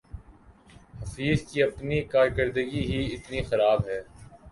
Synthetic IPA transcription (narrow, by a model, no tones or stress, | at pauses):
hɐfiːzkiɐpnikaːɾkəɾd̪əɡiɦiɪt̪nixɐɾaːbɦɛː